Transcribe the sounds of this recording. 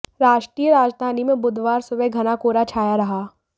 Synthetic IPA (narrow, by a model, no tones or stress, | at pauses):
ɾaːʃʈɾiːjəɾaːd͡ʒd̪ʱaːnimẽbʊd̪ʱʋaːɾsʊbəɡʱɐnakoːɾat͡ʃʰaːjaɾɐɦaː